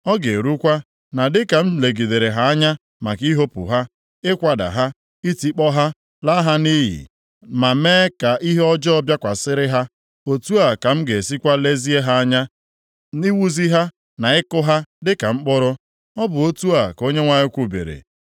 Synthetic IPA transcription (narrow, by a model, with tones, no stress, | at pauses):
ɔ˦ɡe˨ɾu˦kʷa˦ | na˨dɪ˦ka˨m̩˦le˨ɡi˨de˨ɾe˨ɦa˦a˦ɲa˦ | ma˨ki˦ɦo˦pʊ̰˨ɦa˦ | ɪ˦kʷa˨da̰˨ɦa˦ | i˦ti˦k͡pɔ˦ɦa˦ | la˦ɦa˦ni˦ɦḭ˨ | ma˨meː˦ka˨ʔi˦ɦe˦ɔ˦d͡ʒɔ˦ɔ˦bja˦kʷa˨sɪ˦ɾɪ˦ɦa˦ | o˨tu˦a˨ka˨m̩˦ɡe˨si˦kʷa˦le˦zi˦e˦ɦa˦a˦ɲa˦ | ni˦wu˦zi˦ɦa˦ | na˨ɪ˦kʊ˦ɦa˦dɪ˦ka˨ŋ͡m̩˦k͡pʊ˦ɾʊ˦ | ɔ˦bʊ˨o˦tu˦a˨ko˦ɲe˦ŋʷa˦ɲɪ˦kʷu˦bḛ˨ɾḛ˨